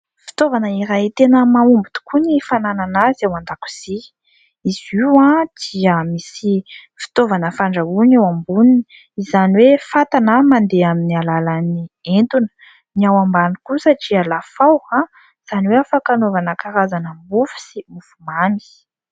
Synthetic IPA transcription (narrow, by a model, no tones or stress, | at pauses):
fi̥t̪ovanəiɾajt̪enəmaumbut̪u̥kʰunifanananazawand̪aku̥z̥i | iziwãd̪̥iəmisifi̥t̪ovanəfaɳɖ͡ʐaunawambunini̥ | izaniwefat̪anamand̪eaminialalanient̪unə̥ | niawambanikusaʈ͡ʂialafawã | iz̥aniweafakanovanəkaɾazanəmbufi̥simufumani̥